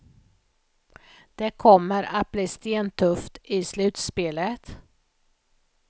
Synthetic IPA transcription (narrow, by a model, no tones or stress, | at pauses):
d̪̥ɛkʰɔmːəɾat̪̚bliːst̪eːnt̪ʰɵft̪ɪslʉ̟ːt̪speːlət̪